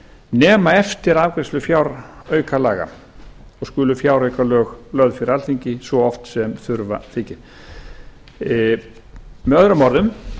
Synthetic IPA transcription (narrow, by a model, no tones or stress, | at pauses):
nɛːmaɛft̪ɪɾaːvkɾɛslʏfjawɾœːɥkalaːɣa̰ | ɔskʏːlʏfjawɾœɥkalœːɣlœðfɪɾalθiɲcɪsvɔɔft̪sɛmθʏɾva̰θɪcɪɾ̥ | mɛðœðɾʏmɔɾðʏm